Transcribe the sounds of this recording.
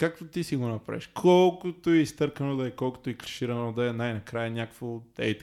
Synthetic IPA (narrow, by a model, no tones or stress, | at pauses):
kak̚t̪ʊt̪isiɡũnɐpɐɾɛ̰ʃkʰolˠkʊt̪uist̪ɐɾkɐnod̪ɛjkolˠkʊ̥t̪uikɾi̥ʃiɾɐnɔd̪ɛjnajnɐkɾajɐnʲakfod̪ɛ̰t̪